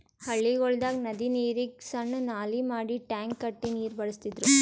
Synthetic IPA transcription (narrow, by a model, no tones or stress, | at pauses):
hɐɭːiɣɔɭd̪aːknɐðiniːɾiksɐɳːɯnaːlimaːɽiʈaːŋkːɐʈːiniːɾbɐɽɯst̪ːiðɾɯ